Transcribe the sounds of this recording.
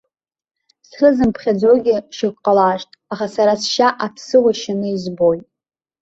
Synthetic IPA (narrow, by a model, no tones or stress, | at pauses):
sχəzɨmpʰχʲad͡zʷoɡʲɪʃɪkʷʼqʼalaːʃtʼaχasaɾasʃaʔapʰsɨwaʃanɨizbo̞jtʼ